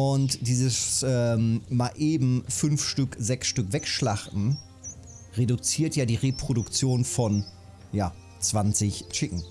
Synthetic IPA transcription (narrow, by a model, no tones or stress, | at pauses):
ʔʊntd̥iːzəsʔɛmmaʔeːbm̩fʏnfʃtʏkzɛksʃtʏkvɛkʃlaχtn̩ | ʁedʊt͡siːɐtjaːdiːʁepʁ̥odʊkt͡sjoːnfɔn | jaː | t͡sv̥ant͡sɪçt͡ʃɪkŋ̩